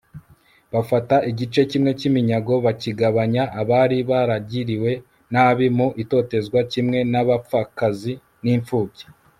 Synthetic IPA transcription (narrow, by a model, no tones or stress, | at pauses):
βafataʔiɟit͡ʃe̞cimŋe̞cimiɲaɡo̞βaciɡaβaɲaʔːβaːɾiβaɾaɟiɾiwe̞ | naβimuʔito̞te̞zɡwacimŋe̞naβap͡fakazi | niːɱfuːce̥